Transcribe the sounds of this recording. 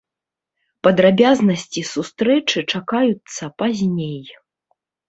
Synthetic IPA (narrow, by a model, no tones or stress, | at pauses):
pɐd̪ɾabʲaznɐsʲt͡sʲisust̪ɾɛt͡ʂɨt͡ʂakajut̪sːɐpazʲnʲej